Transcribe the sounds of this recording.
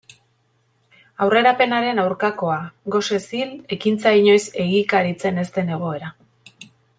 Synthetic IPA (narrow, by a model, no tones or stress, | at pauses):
awre̞ɾape̞naɾe̞nawɾkako̞aɣo̞se̞sile̞kint͡saiɲo̞jse̞ɣ̞ikaɾit͡se̞ne̞st̪e̞ne̞ɣ̞o̞e̞ɾa